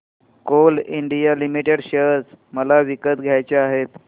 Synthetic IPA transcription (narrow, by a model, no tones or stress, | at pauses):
koliɳɖijalimiʈeɽɕət͡s | məlaʋikət̪ɡʱjajt͡ɕeaɦet̪